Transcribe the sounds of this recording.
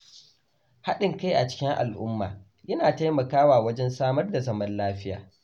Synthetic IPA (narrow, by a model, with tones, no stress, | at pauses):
ha˦ɗɪ˨ŋka˦jʔa˨t͡ʃɪ̥˦kʲɪ˦ŋʔa̰˨lʔʊ̰˦mːa̰ː˨ | jɐ˦naː˨ta˦jmɐ˨kaː˦waː˨wɐ˦d͡ʒɛ˦nsaː˦mɐ˦rda˨zɐ˦mɐ˦nlaː˦ɸɪ˦ja̰ː˨